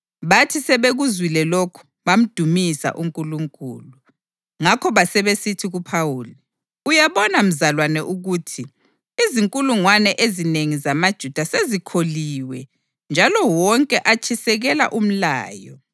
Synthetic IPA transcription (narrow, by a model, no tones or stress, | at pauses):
βatʰisɛβeɣuzwilɛlokʰu̥βam̩d̥ʱumisa̰ʔuŋkʼuluŋkʼṵːlu | ŋakʰɔβasɛβesitʰiɣupʰawuːli | ujaβɔnam̩zalwanɛʔuɣuːtʰi | iziŋkʼuluŋwanɛʔezineŋizamad̥ʒ̥ʱud̥ʱasezikʰoliwɛ | nd͡ʒʱalɔwɔŋkʼɛʔat͡ʃʰisɛɣɛla̰ʔum̩la̰ːjɔ̰